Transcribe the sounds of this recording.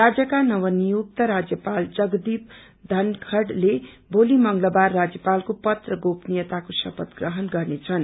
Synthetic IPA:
rad͡zjʌkanʌwʌnijuk̚t̪ʌɾad͡zjʌpald͡zʌɡd̪ib̚ | d̪ʱʌnkʰʌɽle | bolimʌŋɡlʌbarːad͡zjʌpalkopʌt̪rʌɡopnijʌt̪akosʌpʌt̪ɡrʌɦʌnɡʌrnet͡sʰʌn

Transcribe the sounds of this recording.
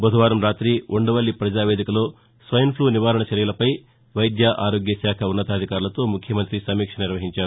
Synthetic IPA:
bɐd̪uʋaːɾɐmɾaːt̪ɾiuɳɖɐʋɐɭːipɾɐd͡ʒaːʋeːd̪ikɐlo̞ː | sʋɐjɐmpʰluːniʋaːɾɐɳɐt͡ʃɐɾjɐlɐpɐj | ʋɐjd̪jaʔaːɾo̞ːɡjɐsaːkʰɐunːɐt̪aːd̪ʱikaːɾulɐt̪o̞ːmukʰjɐmɐnt̪ɾisɐmiːkʂɐnɐniɾʋɐɦiɲt͡ʃaːɾu

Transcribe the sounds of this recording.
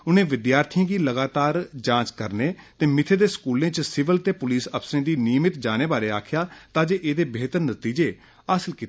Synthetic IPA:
ʊnẽːʋɪd̪jaːɾt̪ʰijãːɡiːləɡaːt̪aːɾd͡ʒãːt͡ʃkəɾneːt̪eːmɪt̪ʰeːd̪eːskuːlẽːt͡ʃsɪʋəlt̪eːpʊliːsəpsɾẽːd̪iːniːəmɪt̪d͡ʒaːñeːbaːɾeːaːkʰɪjaːt̪ãːd͡ʒeːʔeːd̪eːbeːt̪əɾnət̪iːd͡ʒeː | aːsəlkiːt̪ː

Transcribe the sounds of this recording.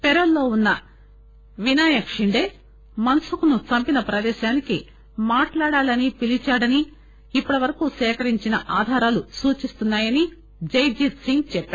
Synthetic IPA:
pɛɾɐlːo̞ːunːɐ | ʋinaːjɐkʂiɳɖe̞ː | mɐnsukunut͡ʃɐmpinɐpɾɐd̪ɛːʃaːniki | maːʈlaːɽaːlɐnipilit͡ʃaːɽɐniː | pːuɽɐʋɐɾɐkusɛːkɐɾiɲt͡ʃinɐʔaːd̪ʱaːɾaːlusuːt͡ʃist̪unːaːjɐni | d͡ʒɐjd͡ʒit̪siŋɡt͡ʃɛpːaː

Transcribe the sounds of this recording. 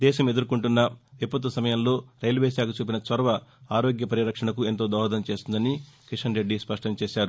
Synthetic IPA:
d̪ɛːʃɐme̞d̪uɾukuɳʈunːɐʋipːɐt̪̬ʋɐsɐmɐjɐmlo̞ːɾɐjlʋeːsaːkut͡ʃuːp̬inɐt͡ʃʋɐɾɐʋɐaːɾo̞ːɡjɐpɐɾjiɾɐkʂɐɳɐkue̞nt̪o̞ːd̪ɔːɦɐd̪ɐmt͡ʃe̞ːst̪und̪ɐnikiʂɐnɾe̞ɖːispɐʂʈɐmt͡ʃeːʃaːɾu

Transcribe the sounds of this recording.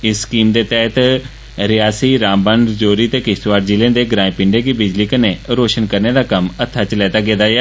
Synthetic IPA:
ɪskiːmd̪eːt̪ɛːɦt̪ | ɾɪjaːsiːɾãːmbənɖ̪d͡ʒoːɾiːt̪eːkɪt̪ʋaːɾd͡ʒilẽːd̪eːɡɾaːẽːpɪɳɖeːkibɪd͡ʒliːkənẽːɾoːʃənkəɾneːd̪aːkəmət̪ʰːaːt͡ʃəlɛːt̪aːɡeːd̪aːɛː

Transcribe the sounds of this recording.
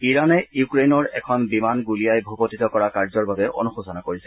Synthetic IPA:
iɹanɛjukɹejnɔɹɛ̰kʰɔnbimanɡuliajbʱubotitɔkɔɹakaɹzɔɹbabɛʔo̰nuxusɔnakoɹisɛ̥

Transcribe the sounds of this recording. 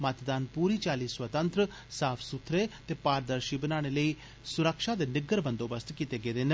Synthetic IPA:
mət̪d̪aːnpuːɾiːt͡ʃaːliːswət̪ə̃nt̪ɾə | saːpʰsʊt̪ʰːɾeːt̪eːpaːɾd̪əɾʃibənaːɽ̃eːləiː | sʊɾəkʃaːd̪eːnɪɡəɾbə̃nd̪oːbəst̪kit̪eːɡeːd̪eːn

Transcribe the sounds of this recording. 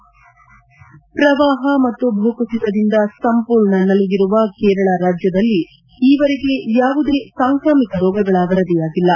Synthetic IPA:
pɾɐʋaːɦɐmɐt̪ːubʱɐukut͡ʃit̪ɐd̪ind̪ɐsɐmpuːɾɳɐnɐluɡiɾuʋɐkeːɾɐɭaːɾaːd͡ʒjɐd̪ɐlːi | iːʋɐɾeɡe̞jaːʋud̪e̞saːŋkɾaːmikɐɾɔːɡɐɡɐɭaːɡɐɾɐd̪ijaːɡilːɐ

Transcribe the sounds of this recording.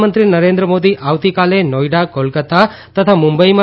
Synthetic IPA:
mənt̪ɾinəɾẽnd̪ɾəmod̪iʔaːʋt̪ikalenɔjɖakolkət̪a | t̪ət̪ʰamũmbəima

